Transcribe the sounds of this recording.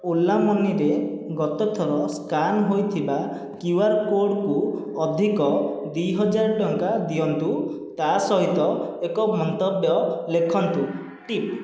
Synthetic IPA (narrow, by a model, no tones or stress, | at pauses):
ulːamɔniɾeɡɔt̪ɔt̪ʰɔɾɔskanɦojt̪ʰiba | kuwaɾkoɖku | ɔd̪ʱikɔd̪ujɦɔd͡ʒaɾɔʈɔŋkad̪ijɔnt̪u | t̪asɔɦit̪ɔekɔmɔnt̪ɔbjɔlekʰɔnt̪u | ʈip